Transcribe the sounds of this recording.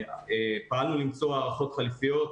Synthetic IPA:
epaalnulimt͡soaːʁaχo̞t̪χalifijot̪

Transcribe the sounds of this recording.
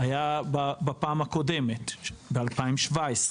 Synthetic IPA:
ajababapaːmhako̞demet̪bealpaimʃvaesʁe

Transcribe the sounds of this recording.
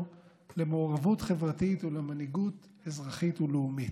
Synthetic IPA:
lemoːʁavutχevʁatit̪ulemaniɡut | ezʁaχituleumit

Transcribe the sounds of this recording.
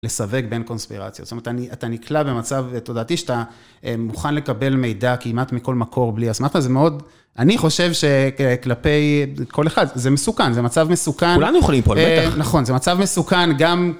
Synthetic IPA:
le̞save̞kbe̞nko̞nspḭʁa̰t͡sjo̰tstomeet̪aniat̪aniklabemat͡savto̞daːt̪iʃeat̪a | ʔemuχanle̞kabe̞lme̞jdakimatmiko̞lmakʰo̞ʁbliasmaχtazemeo̞d | ʔaniχo̞ʃe̞vʃe̞klape̞jkʰo̞leχadzemesukanzemat͡savmesukankulanujoχalimpoenaχo̞nzemat͡savme̞sukanɡam

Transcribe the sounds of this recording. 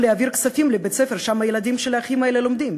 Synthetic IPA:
leaviʁksafimlebet͡sefeʁʃamajelad̪imʃelaaχimaelelo̞md̪im

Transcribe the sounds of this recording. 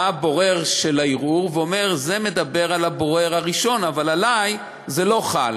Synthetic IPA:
abo̞ʁe̞ʁʃelaiʁuʁveome̞ʁze̞me̞d̪abe̞ʁalabo̞ʁeʁhaʁiʃo̞navalalaj | zelo̞χal

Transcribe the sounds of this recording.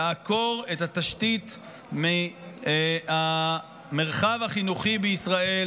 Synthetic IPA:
ako̞ʁethat̪aʃtit | mi | a | me̞ʁχavhaχinuχibeisʁae̞

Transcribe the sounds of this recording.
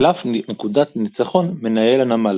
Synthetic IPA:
lafnekudat̪nit͡saχo̞nme̞najelanamal

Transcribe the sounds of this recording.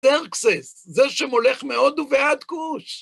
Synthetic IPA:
eʁkseszeʃemoleχmeo̞d̪uvead̪kuʃ

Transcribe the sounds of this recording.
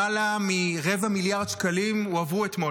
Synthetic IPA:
alamiʁevamiljaʁd̪ʃkalimuavuetmo

